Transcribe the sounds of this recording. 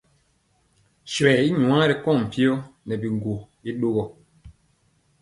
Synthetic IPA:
sɛ˨i˦ɲu˨ã˦ɾɛ˨kɔ˦˨m̩˨pi˦ɔ˦nɛ˨bi˨ŋɡo˨ | i˦ɗo˦ɡɔ˨

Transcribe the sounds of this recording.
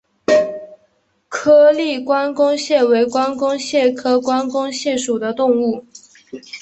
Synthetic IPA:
kʰɤ˥li˥˩kwa˥nkʊ˥ŋɕjɛ˥˩we˧˥ɪkwa˥nkʊ˥ŋɕjɛ˥˩kʰɤ˥kwa˥nkʊ˥ŋɕjɛ˥˩ʂu˨˩d̪ə˦t̪ʊ˥˧ŋu˥˩

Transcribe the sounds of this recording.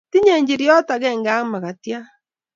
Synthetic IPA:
ti˦ɲe˨ɲd͡ʒi˨ɾi˦ɔ˦ta˨ɣɛ˦˨ŋɡa˦ma˨ɣa˨tja˦

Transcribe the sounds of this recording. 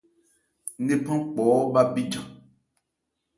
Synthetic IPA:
ne˦pã˦k͡pɔ˨˦ba˦bi˦d͡ʒã˨

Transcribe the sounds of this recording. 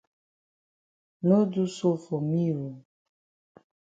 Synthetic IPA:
no˦du˦so˦fo˨mi˦ɾo˨

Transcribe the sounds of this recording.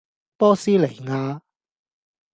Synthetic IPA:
pɔː˥siː˥le˨˩jŋaː˧

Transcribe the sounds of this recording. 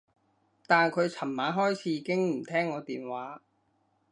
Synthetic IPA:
t̪aː˨nkʰɵ˨˧ɥt͡sʰɐ˨˩mːaː˨˥ɦɔː˥jt͡sʰiː˨˥˧kɪ˥ŋm̩˨˩t̪ʰɛː˥ŋːɔː˨˧t̪iː˨nwaː˨˥

